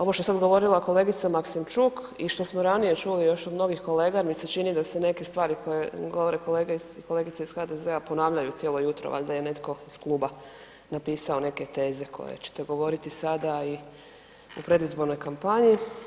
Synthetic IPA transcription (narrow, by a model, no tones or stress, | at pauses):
o̞ʋoʃt̪oesad̪ɡo̞ʋo̞ɾilako̞le̞ːɡit̪samaksimt͡ʃuk | iʃt̪o̞smoɾanije̞t͡ʃulijo̞ʃod̪mno̞ɡixko̞le̞ːɡamiset͡ʃinid̪ase̞ne̞ke̞st̪ʋaːɾikʰo̞je̞ɡo̞ʋo̞ɾeko̞le̞ːɡeko̞le̞ɡit̪seisxad̪e̞zeapo̞naːʋʎajut̪sjelo̞jut̪ɾo̰ʋa̰ʎʲd̪aje̞ne̞t̪ko̞iskluba | napiːsao̞ne̞ke̞t̪e̞ːze̞kʰo̰jḛt͡ɕe̥t̪e̞ɡo̞ʋo̞ɾit̪isad̪ai | upɾe̞d̪izbo̞ɾno̞jkampaɲi